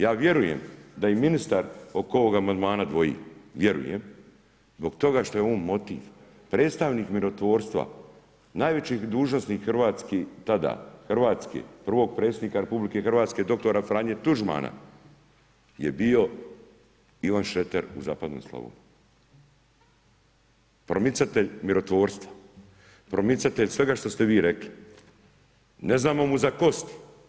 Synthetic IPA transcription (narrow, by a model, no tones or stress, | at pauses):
jaːʋje̞ɾuje̞̰md̪ajiminist̪aɾokoʋoɡamand̪maːnad̪ʋo̞jḭːʋje̞ɾṵjḛm | zbo̞ɡt̪o̞ɡaʃt̪o̞jeonmo̞t̪ḭːʋ | pɾeːt̪st̪aʋniːkmiɾo̞t̪ʋo̞ːɾst̪ʋa̰ | naːjʋe̞t͡ɕid̪uːʒno̞snikxrʋaːt̪skit̪ad̪a̰xr̩ʋaːt̪skḛpr̩ʋo̞ːɡ̚pɾet̪sed̪niːkaɾepublike̞xrʋaːt̪ske̞d̪o̞k̚t̪o̞ɾafɾaːɲet̪uʒma̰ːnʔa̰ | jḛbio̞ | iʋanʃet̪eɾuza̰ːpad̪noːmslˠa̰ʋṵ | pɾomit̪sat̪eʎmiɾo̞t̪ʋo̞ːɾst̪ʋa | pɾomit̪sat̪eʎsʋe̞ɡaʃt̪o̞st̪eʋiːɾe̞kli | neznaːmo̞muzako̞st̪i̥